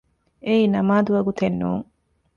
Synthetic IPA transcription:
eiːnɐmaːd̪uʋɐɡut̪enːṵːŋ

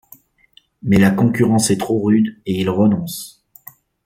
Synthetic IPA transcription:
mɛlakɔ̃kʲyʁɑ̃sɛt̪χoʁyd̪eilʁənɔ̃s

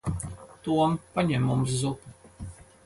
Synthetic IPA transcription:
t̪uɔmpaɲɛmumszutu

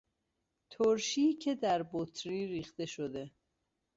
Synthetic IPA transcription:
t̪ʰoɾʃiːcʰe̞d̪æɾbot̪ʰɾiːɾiːxt̪e̞ʃod̪e̞

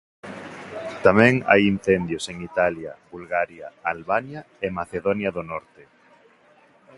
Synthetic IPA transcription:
t̪amɛ̃ŋa̰jin̟θend̪joseŋit̪aljaβulɣaɾjaalβanja | emaθeðonjaðonɔɾt̪e

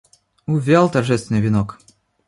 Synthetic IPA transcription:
ʊvʲalˠt̪ɐrʐɛst̪vɪnɨvʲɪnɔk

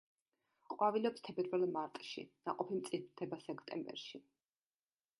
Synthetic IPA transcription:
qʼwavilɔpst̪ʰɛbɛɾvɛlmaɾt̪ʼʃḭna̰qʼɔpʰimt̪sʼid̪ʰɛbasɛkʰt̪ʼɛ̰mbɛ̰ɾʃi

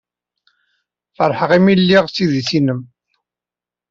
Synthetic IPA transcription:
fəɾˤħəʁimilːiʁsiðiθinəm

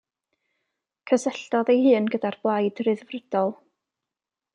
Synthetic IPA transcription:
kʰəsɛɬd̥ɔðejhɨːnɡədarblˠajdrɨðvrədɔlˠ

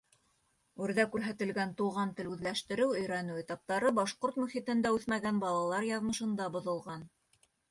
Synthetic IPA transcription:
ʉɾðækʉɾɦæt̪ɘ̆lɡænt̪uʁɑnt̪ɘlʉðlæʃt̪ɘ̆ɾɘwɵ̆jɾænʉet̪ɑp̚t̪ɑɾɤbɑʃqoɾt̪mʉχit̪ɘ̆nd̪æʉθmæɡænbɑlˠɑlˠɑɾjɑðmɤ̆ʃɤ̆nd̪ɑbŏðŏlˠʁɑn

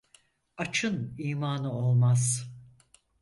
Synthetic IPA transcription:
at͡ʃʰɯniːmaːnɯo̞lˠmaz̥

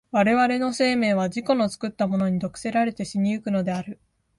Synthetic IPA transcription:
βaɾe̞βaɾe̞no̞se̞ːmẽ̞ːβ̞aʑiko̞no̞t͡sɨ̥kɯ̟t̪ːamo̞no̞ɲ̟id̪o̞kɯ̟̥se̞ɾaɾe̞t̪e̞ɕiɲ̟iɯkɯ̟no̞d̪e̞aɾɯ̟

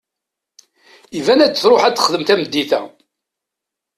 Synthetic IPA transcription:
ivænæt͡sːəθɾˤoħæd̪ə̥χðəmθæməd̪ːiθæ̰

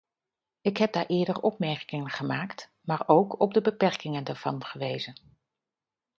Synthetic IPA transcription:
ɪkɦɛb̚daːɹʔɪːɹdəɹɔpmɛɹkɪŋənχəmaːkt | maːɹowkɔb̚dəbəpɛɹkɪŋəndaɹv̥ɑ̰nχəʋejzən

